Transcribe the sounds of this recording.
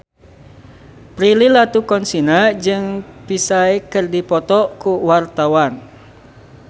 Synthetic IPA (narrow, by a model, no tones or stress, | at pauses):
pɾililat̪ukɔnsinad͡ʒɨŋpisaekərdipɔt̪ɔkuwart̪awan